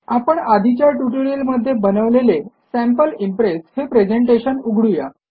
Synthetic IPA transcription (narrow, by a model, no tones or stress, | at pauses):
apəɳad̪ʱit͡ɕjaʈuʈəɾiəlməd̪ʱːjebənəʋlelesæ̃mpəlimpɾeshepɾed͡ʑeɳʈeɕənuɡʱɽuja